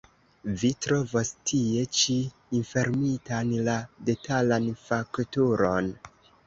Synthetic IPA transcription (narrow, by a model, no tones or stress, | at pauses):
vitɾo̞vostʰie̞t͡ʃiː | nfe̞ɾmitanlade̞talanfaktuɾo̞n